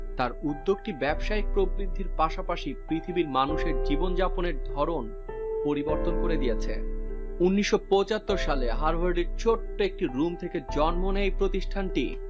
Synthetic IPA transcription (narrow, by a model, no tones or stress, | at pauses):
t̪aɾud̪ːoɡʈibɛbʃaik̚pɾobɾid̪ʱːiɾpaʃapaʃipɾit̪ʰibiɾmanuʃeɾd͡ʑibond͡ʑaponeɾd̪ʱɔɾon | poɾiboɾt̪onkoɾed̪ijet͡ɕʰḛunːiʃːopɔt͡ɕat̪ːoɾʃaleɦaɾbʱaɾɖiɾt͡ɕʰoʈːoek̚ʈiɾumt̪ʰeked͡ʑɔnmonejpɾot̪iʃʈʰanʈi